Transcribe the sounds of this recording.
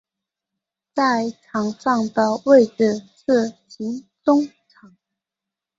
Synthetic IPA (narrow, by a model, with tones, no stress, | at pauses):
t͡sa˥˩ɪʈ͡ʂʰɑ˨˧˥ŋʂɑ˥˩ŋd̪ə˩we˥˩ɪʈ͡ʂɻ̩˨˩ʂɻ̩˥˩ɕi˧˥nt͡sʊ˥ŋ | ʈ͡ʂʰɑ˨˥˦ŋ